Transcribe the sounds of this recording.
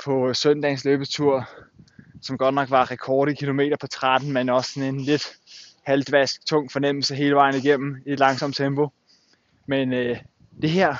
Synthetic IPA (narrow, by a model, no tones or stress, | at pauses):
pʰɒ̽sœn̰d̥ɛsløːb̥əst͡sʰuɐ̰ | sɒ̽mɡ̥ɒ̽d̥nɒ̽ɡ̥ʋɑ̈ʁɛkʰɒːɾ̥əkʰilo̝me̝̰ːɾ̥ɐpʰɒ̽t͡sʰʁad̥n̩menɒ̽ssɒ̽ne̝nle̝d̥hæld̥ʋæsɡ̥̚t͡sʰɔ̽ŋ̰fɒ̽nem̰l̩səɦe̝ːləʋɑ̈ɪn̩iɡ̥em̰m̩ie̥lɑ̈ŋsɒ̽m̰t͡sʰemb̥o̝ | menø | d̥e̝ɦɛɐ̰